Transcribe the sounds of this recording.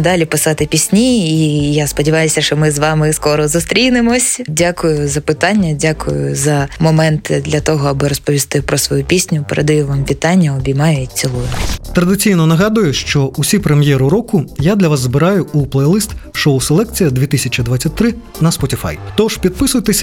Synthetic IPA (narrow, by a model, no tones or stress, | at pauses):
d̪ɑlʲipɪsɑt̪ɪpʲisʲnʲiijaspɔdʲiʋɑjʊsʲɐʃt͡ʃɔmɪzʋɑmɪskɔɾɔzʊst̪ɾʲijnɪmɔsʲdʲakʊjʊzɐpɪt̪ɑnʲːɐdʲakʊjʊ̰zɐmɔmɛnt̪ɪd̪lʲɐt̪ɔɦɔɐbɪɾɔspɔʋʲist̪ɪpɾɔsʋɔjupʲisʲnʲʊpɛɾʔed̪ɐjuʋamʋʲit̪ɑnʲːɐɔbʲijmɑjɛɪt͡ssʲilˠɔjʊt̪ɾɐd̪ɪt͡sʲijnɔnɐɦɑd̪ʊjʊʃt͡ʃɔusʲipɾemjɛɾʊɾɔkʊjad̪lʲɐʋazzbɪɾɑjʊuplˠɛjlˠɪst̪ʃowselˠɛk̚t͡sʲijɐd̪ʲʋʲit̪ɪsʲɐt͡ʃʲid̪ʋat͡sʲːɐt̚ʲt̪ːɾɪ | nɐspɔtʲifa̰jt̪ɔʃpʲid̪̚pɪsʊjt̪esʲ